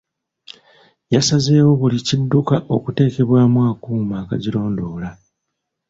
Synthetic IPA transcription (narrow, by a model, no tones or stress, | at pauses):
jasaze̞ːwo̞βulicidːukaʔo̞kute̞ːke̞βwaːmwaːkuːmaːka̰ɟilo̞ːndo̞ːla